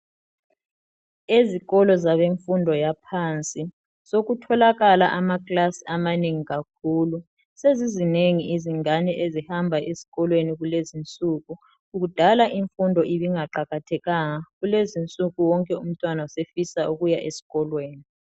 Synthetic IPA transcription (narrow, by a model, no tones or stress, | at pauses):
eziɣɔlɔzaβeɱfundʱɔjapʰant͡sʼi | soɣutʰɔlaɣalaʔamakʼlasiamaneŋiɣakʰuːlu | sezizineŋiʔiziŋanɛʔezihambʱaʔesi̥ɣɔlweniɣulezint͡sʼuːɣuː | ɣ̬ud̥ʱalaʔiɱfundʱɔʔiβiŋaǃaɣatʰɛɣaŋaɣulezint͡sʼuɣuwɔŋkʼɛum̩tʼwanausefisauɣujaʔesi̥ɣɔlweːni